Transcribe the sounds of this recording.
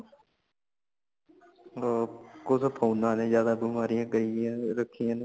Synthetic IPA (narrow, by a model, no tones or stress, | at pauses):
kosəpʰoːnãːnẽːzjaːd̪aːbəmaːɾɪjãːkəɾiãːɾəkʰːijãːn